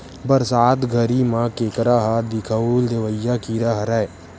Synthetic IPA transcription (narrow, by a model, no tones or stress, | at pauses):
bəɾsaːt̪ɡʱəɾimãkeːkɾaɦad̪ɪkʰəuld̪eʋəjːakiɾəɦɾɛ